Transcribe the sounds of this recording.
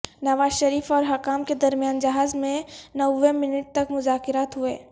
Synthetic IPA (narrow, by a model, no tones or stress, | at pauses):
nɐʋaːzʃɐɾiːfɔːɾɦɐkaːmked̪ɐɾmijaːnd͡ʒɐɦaːzmẽnɐwːẽmɪnɪʈ̚t̪ɐkmʊzaːkɪɾaːt̪ɦʊeː